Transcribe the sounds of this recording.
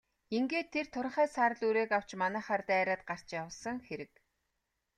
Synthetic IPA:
iŋɡeːt̪ʰːer̥t̪ʰʊɾ̆χæːsaːɾə̆ɮuɾeːkaw̥t͡ɕmanæːχaːrt̪ːæːɾaːt̪̚ɢar̥t͡ɕjawə̆ɮsə̆ŋxeɾɘ̆k

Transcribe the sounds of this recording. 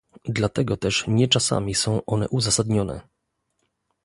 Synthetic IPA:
d̪lat̪ɛɡɔt̪ɛʂɲɛt͡ʂasa̰mʲisɔ̃w̃ʔɔnɛ̰ʔuzasad̪ɲɔnɛ̰

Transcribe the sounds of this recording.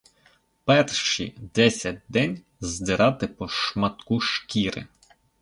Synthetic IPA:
pɛrʃḭd̪ɛsʲɐt̚ʲd̪ɛnʲ | zd̪ɪɾʔɑt̪ɪpɔʃmɐt̪kuʃkʲiɾɪ̰

